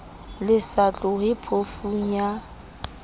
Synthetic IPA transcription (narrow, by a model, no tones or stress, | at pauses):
lɪsat͡ɬʼʊhɪpʰofuŋ̩ja